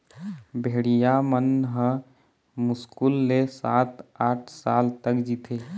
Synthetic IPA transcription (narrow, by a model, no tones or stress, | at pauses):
bʱeːɽijamənɦə̃ | mʊskulːesaːt̪aːʈʰsaːlt̪əkd͡ʒit̪ʰe